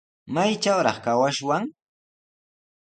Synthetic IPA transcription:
majt͡ʃawɾɑ̰χkawaʃwaŋ

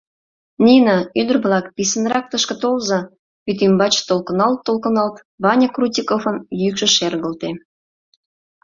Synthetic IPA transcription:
nʲinɑyd̪ə̆rβlɑkpʲisə̆nrɑk̚t̪əʃkə̆t̪olzɑ | yt̪̬imbɑt͡ɕt̪olkɤ̆nɑlt̪ːolkɤ̆nɑlt̪ | βɑnʲɑkrutʲikofə̆njykʃə̆ʃerɣə̆lt̪e

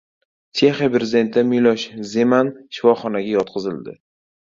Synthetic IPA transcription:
t͡ʃʰe̞χijapɾezɪd̪e̞nt̪ɪd̪amilɒʃze̞manʃɪ̥fɒχɒnaɡʲajɒt̪̚qʰɨzɪld̪ɪ̰

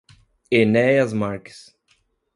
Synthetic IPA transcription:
enɛjɐzmaɾks

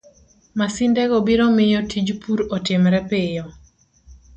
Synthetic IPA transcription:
masɪndɛɡobiɾɔmɪjɔtʰid͡ʒpuɾotɪmɾɛpejɔ

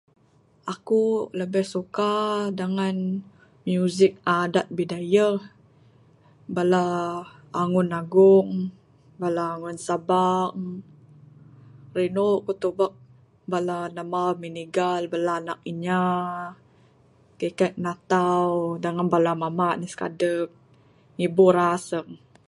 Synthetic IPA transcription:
akuləbɛhsukadəŋan | mjuzɪk̚adat̪̚bidaja | balaː | ŋʊnaɡʊŋ | balaːŋʊnsabaŋ | rinoʔkut̪ubak̚ | balanamawminiɡalbalaːna̰k̚iɲa | kəkat̪̚nat̪awdaŋanbalamamaʔniska̰dək̚ | ŋibuɾasəŋ

